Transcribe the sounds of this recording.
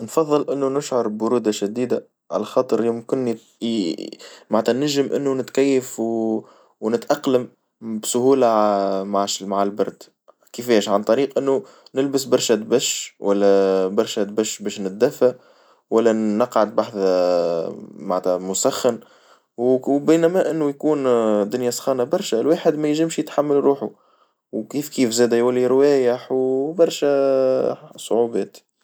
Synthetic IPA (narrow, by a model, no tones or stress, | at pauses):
nfɑðˤːɨlʔɪnːunʊʃʕʊɾˤbʊɾuːd̪aʃæd̪iːd̪a | ʕa̰læxɑːt̪ˤɨɾjɪmkɪn | maʕnt̪ænæʒːəmʔɪ̰nːunɪt̪kæjːəfw | wnɪt̪ʔɑqləm | bsʊhuːlamaʕmaʕalbɑɾˤd̪ | kɪfɛːʃʕant̪ˤɑɾiːqʔɪnːu | nɪlbɪsbɑɾˤʃæt̪̚bæʃwʔælːæbɑɾˤʃæt̪bæʃbɛːʃnɪt̪̚d̪æfːa | wælːænɑqʕad̪̚baħθ | maʕt̪æmʊsæxːən | wbiːnæmæʔɪnːujkuːnd̪ʊnjæsˤxɑːnabɑɾˤʃælwaːħɪd̪mæjʒɪmʃjət̪ħamːalɾuːħu | wkiːfkiːfzɛːd̪ɛjwælːiɾwɛːjəħwbɑɾˤʃæ | sˤʊʕubɛːt̪